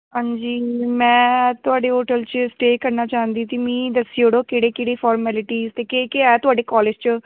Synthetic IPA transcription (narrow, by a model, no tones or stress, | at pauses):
ɦãːɲd͡ʒiːmɛ̃ːt̪ʊaːɖeːɦoːʈəlt͡ʃəsʈeːkəɾnaːt͡ʃaːɦənd̪iːt̪iːmĩːd̪əsiːoːɽoːkeːɽeːkeːɽeːpʰɔːɾmɛːlɪʈiːzt̪eːkekeɛːt̪ʊaːɖeːkɔːleːd͡ʒt͡ʃ